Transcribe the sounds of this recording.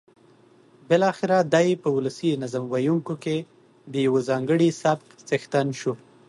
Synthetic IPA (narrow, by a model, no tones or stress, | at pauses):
bɪlɑxɪɾad̪ɑjepəwʊləsinazamwajuŋkoke | d̪əjawozɑŋɡəɽisabqt͡səxt̪anʃu